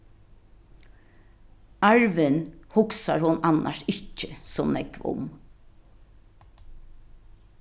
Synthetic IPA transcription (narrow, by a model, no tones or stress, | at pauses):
ɑɹʋɪnhʊksaɹhʊnɑna̰ʃɪcːəsoːnɛkʋʊ̰m